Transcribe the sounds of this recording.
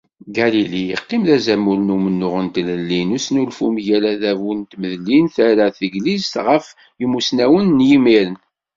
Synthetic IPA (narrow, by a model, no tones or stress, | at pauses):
ɡælilijəqːɪmðæzæmːulnumənːʊʁənt̪ləlːinusnulfumjælæðævunt̪məðlinθæɾæθəɡlizt̪ʁəf | jəmːusnæwənːjimiɾən